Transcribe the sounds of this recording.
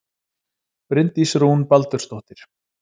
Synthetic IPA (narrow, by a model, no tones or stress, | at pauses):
pɾɪnt̪isɾuwnpalt̪ʏɾ̥st̪oht̪ɪɾ̥